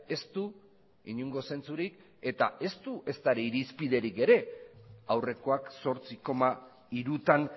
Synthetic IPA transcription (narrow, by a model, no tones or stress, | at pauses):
e̞st̪u | iɲuŋɡo̞se̞nt͡suɾik | e̞t̪ae̞st̪uʔe̞st̪aeɾeiɾispið̞e̞ɾike̞ɾe̞awre̞ko̞akso̞ɾt͡siko̞ma | iɾut̪an